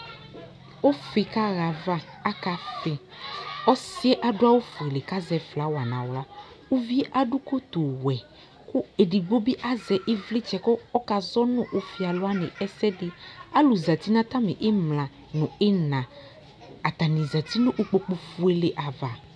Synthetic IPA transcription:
o˦fe˨ka˦ɣa˨va˦ | a˦ka˨fe˨ | ɔ˦si˦e˦ʔa˨ɖʊ˦a˦wo˦fu˨e˨le˨ka˦zɛ˨fla˨˦wa˨nã̰˨wla˦ | o˦vi˦e˦ʔa˨ɖu˦ko˦t̪o˨wɛ˨ | ku˦e˨ɖi˨ɡ͡bo˦bi˦ʔa˦zɛ˨ʔe˦vli˦t͡ʃɛ˨kɔ˦ɔ˦ka˨zɔ˦nʊ̃˦ʔo˨fi˨a˨lo˦a˦ne˨ʔɛ˦sɛ˦dɪ˨a˦lu˨za˨t̪i˦nã˦t̪a˦me˨ʔe˦mlã˨ | nʊ̃˨e˦nã˨ | a˨t̪a˨nĩ˨za˨t̪i˦nʊ̃˦ʔu˨k͡po˨k͡po˨fu˨e˨le˨ʔa˨va˨

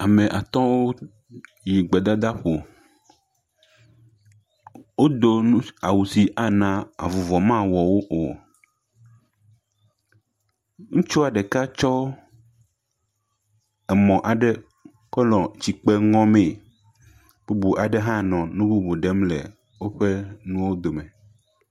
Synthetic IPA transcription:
a˨mẽ˨ʔa˨t̪ɔ̃˦wo˦ | ji˨ɡ͡be˨d̪a˦d̪a˦ɸo˨ | wo˦d̪o˦nũ˦a˨wu˨si˨ʔa˨nã˨a̰˨vu˨vɔ˨mã˦wɔ˨wo˦ʔo˨ | ŋũ˦t͡ʃɔ˦a˨ɖe˨ka˦t͡ʃɔ˦ | ɛ˨mɔ̃˨ʔa˨ɖɛ˦ | kɔ˦lɔ̃˨t͡ɕi˨k͡pe˦ŋɔ̃˦mɛ̃˨ | bu˦bu˨ʔa˨ɖe˦ɦã˦nɔ̃˨nũ˦bu˦bo˨ɖɛ˦mlɛ̰˨ | wo˦ɸe˦nũ˦wo˦d̪o˨mɛ̃˨

